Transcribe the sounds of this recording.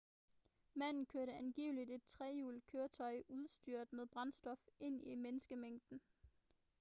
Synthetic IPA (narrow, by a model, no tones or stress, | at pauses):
mæn̰n̩kʰøɐɾəænɡ̥ḭːʊlid̥e̝d̥̚t͡sʰʁɛjṵːld̥̚kʰøːɐt͡sʰɒ̽ɪʔuð̞ˠsd̥yɐ̰d̥meðˠb̥ʁɑ̈nsd̥ɒ̽fʔe̝n̰imenəsɡ̥əmeŋ̰d̥n̩